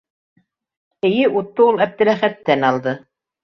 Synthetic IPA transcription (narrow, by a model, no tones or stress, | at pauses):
ɘ̆jɘʔut̪ːoulˠæp̚t̪ɘ̆læχæt̪ːænɑlˠd̪ɤ